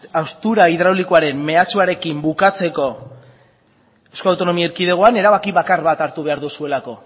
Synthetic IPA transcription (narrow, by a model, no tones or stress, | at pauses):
awst̪uɾaið̞ɾawlikoaɾe̞mːe̞at͡suaɾe̞kimbukat͡se̞ko̞ | ewskalawt̪o̞no̞miaiɾkið̞e̞ɣo̞ane̞ɾaβakiβakarβat̪aɾt̪uβe̞aɾðusue̞lako̞